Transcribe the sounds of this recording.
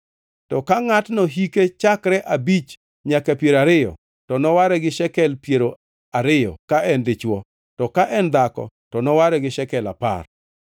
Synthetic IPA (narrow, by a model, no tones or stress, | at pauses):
tɔkaŋatnoɦiket͡ʃakɾɛʔabit͡ʃ | ɲakɛpjeɾaɾɪjɔ̰ | tɔnɔwaɾɛɡɪʃɛkɛlpjeɾo | aɾɪjɔ̰kaʔɛndɪt͡ʃwɔ | tɔkaʔɛnd̪akɔ̰ | tɔnɔwaɾɛɡɪʃɛkɛla̰pa̰r